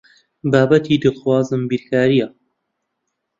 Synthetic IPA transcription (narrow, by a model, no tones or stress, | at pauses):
baːbɐt̪ʰid̪ɨxwaːzɨmbiɾkʰaːɾija